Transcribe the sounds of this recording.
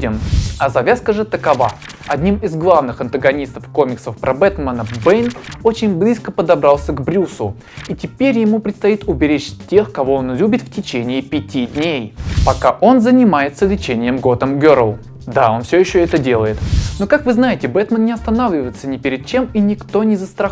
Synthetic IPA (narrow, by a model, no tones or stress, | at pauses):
dʲɪmɐzɐvʲaskəʐɨt̪əkɐva | ɐd̪ʲnʲimɪzɡlˠavnɨxɐnt̪əɡɐnʲist̪əfko̞mʲɪksəfpɾʔɐbɛt̪mənəbɛjnot͡ɕɪnʲblʲiskəpəd̪ɐbɾalˠsʲəɡbɾʲusʊ | itʲɪpʲeɾʲjɪmupɾʲɪt̪st̪ɐit̪ʊbʲɪɾʲet͡ɕtʲe̞xkɐvo̞onlʲubʲɪt̪ftʲɪt͡ɕenʲɪːpʲɪtʲidʲnʲejpɐkaʔo̞nzənʲɪmajɪt̪səlʲɪt͡ɕenʲɪjəmɡo̞d̪əmɡʲeɾəlˠ | d̪ao̞nfsʲojɪɕːoɛt̪ədʲe̞lˠəjɪt̪no̞kakvɨznajɪtʲɪbɛt̪mənnʲɪɐst̪ɐnavlʲɪvəjɪt̪sənʲɪpʲɪɾʲɪd̪̚t͡ɕe̞minʲɪkt̪o̞nʲɪzəst̪ɾɐ